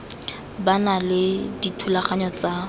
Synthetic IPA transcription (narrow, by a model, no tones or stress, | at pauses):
banalɪditʰulaχaɲɔt͡sa